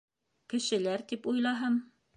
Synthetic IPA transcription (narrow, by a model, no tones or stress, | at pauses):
kɘ̆ʃɘ̆læɾt̪ipujlˠɑɦɤm